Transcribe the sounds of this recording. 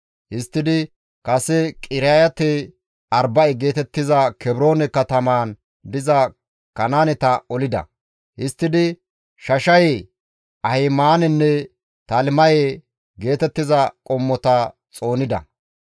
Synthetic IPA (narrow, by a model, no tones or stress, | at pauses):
hɪst̪ːɪd̪ɪ | kɐsɛkʼɪɾajɐt̪e | ɐɾbɐɛɡe̞ːt̪ɛt̪ːɪzɐkɛbɾo̞ːnɛkɐt̪ɐmaːn | d̪ɪzɐ | kɐnaːnɛt̪ɐɔlɪd̪ɐ̰ | hɪst̪ːɪd̪ɪ | ʃɐʃɐje | ʔɐhɛmaːnɛnːɛ | t̪ɐlɪmɐje | ɡe̞ːt̪ɛt̪ːɪzɐkʼɔmːɔt̪ɐ | t͡sʼo̞ːnɪd̪ɐ̰